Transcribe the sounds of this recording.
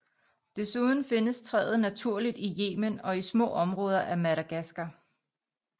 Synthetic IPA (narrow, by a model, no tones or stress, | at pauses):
d̥e̝suð̞ˠn̩fe̝nəst͡sʰʁɛ̰ːð̩ˠnæt͡sʰuɐ̰lid̥ije̝̰ːmənɒ̽ismɔ̰̽ːɒ̽mʁɔ̽ːð̞ˠɐʔæmæɾæɡ̥æsɡ̥ɐ